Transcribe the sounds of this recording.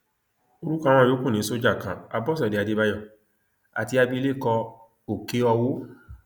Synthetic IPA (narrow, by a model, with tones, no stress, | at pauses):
o˧ɾu˦kã˦˧w̃ɔ̃˧jo˨˦kũ˦˨nĩ˨˦so˦d͡ʒa˦˨kã̰˨a˧bɔ˦s̬ɔ˨de˨a˧de˧ba˧jɔ˦˨ | a̰˨ti˧a˧bi˦˧le˦˨kɔ˧ | o˨ke˦ɔ˧wo˦